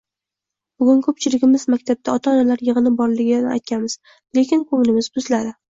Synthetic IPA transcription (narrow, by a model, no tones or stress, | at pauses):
b̥ʊɡʲʊnkʰɵp̚t͡ʃʰɪlɪɡʲɪmɪzmakʲt̪ʰab̚d̪ʰaɒt̪ʰaɒnalaɾjɨʁɨnɪbɒɾlɪɡʲnɪa̰jt̪̚kʲʰanmɪz̥ | le̞kʲɪnkʰɵŋlɪmɪzbʊzlaɾɪ